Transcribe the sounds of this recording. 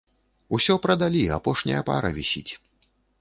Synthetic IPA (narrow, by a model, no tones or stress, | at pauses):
usʲɔpɾɐd̪alʲiapɔʂnʲɐ̰jɐpa̰ɾɐvʲisʲit͡sʲ